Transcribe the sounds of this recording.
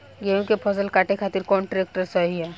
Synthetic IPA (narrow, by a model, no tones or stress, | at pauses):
ɡeũkepʰɐsəlkaːʈekʰaːt̪ɪɾkɔːɳʈɾeːk̚ʈəɾsəɦiɦɛ